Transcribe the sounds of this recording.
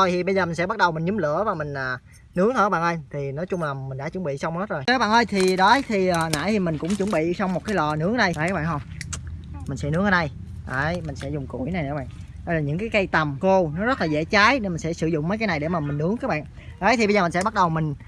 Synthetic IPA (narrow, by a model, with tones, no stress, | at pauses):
t̪ʰo˨˩jt̪i˨˩ɓə˧jzəː˨˩mi̟˨˩sɛ̰˧˥ɓa˦˥t̚ɗə˨˩wŋ͡mmi̟˨˩ɲɨ˨˦mlɨ̰˧˥əvaː˨˩mï˨˩ŋ̟ʔaː˨˩ | nɨ˨˦əŋt̪ʰːɓa̰ː˧˨ʔəː˧jt̪ʰi˨˩nɔ˨˦jt͡ɕʊ˧ŋ͡mlaː˨˩mï˨˩ŋ̟ɗa̰ː˧˥t͡ɕṵ˧˩˦ŋ͡mɓḭ˧˨sa˧wŋ͡mho˦˥t̚zo˨˩jːɓaː˧˨nʔəː˧jt̪ʰi˨˩ɗɔ˨˦jt̪ʰi˨˩ə˨˩nʔa̰ː˧˥j̪ʰi˨˩mï˨˩ŋ̟kʊ̰˧˥ŋ͡mt͡ɕṵ˧˩˦ŋ͡mɓḭ˧˨sɔ˧wŋ͡mmo˨˩t̚kaː˨˦jlɔ˨˩nɨ˨˦əŋɗə˧˩jʔə˨˦kaː˦ɓ̰ːnhə˧wŋ͡m | mï̟˨˩sɛ̰˧˥nɨ˨˥əŋhə˧na˧˩j | ʔaː˨˩jmï˨˩ŋsɛ̰˧˥zʊ˨˩ŋ͡mkṵ˧˩əjna˨˩jə̰˧˦ɓa̰ː˧˨n | ɗə˧laː˨˩ɲɨ̰˧˥ŋkaː˨˦jkə˧jt̪ə˨˩mko˧nɔ˨˦zə˦˥t̚laː˨˩zḛ˧˥t͡ɕaː˨˦jɗe˧nmï˨˩ŋ̟sɛ̰˧˥sɨ˧˩zʊ̰˧˨ŋ͡mməː˨˦jkaː˨˦jna˨˩jɗe˧˩maː˨˩mï˨˩ŋ̟nɨ˨˦əŋkaː˦k̚ɓa̰ː˧˨n | ʔəː˨˦jt̪i˨ɓə˧zəː˨˩mi˨˩ŋsɛ˧˦ɓa˦˥t̚ɗə˨˩wmi˨˩ŋ̟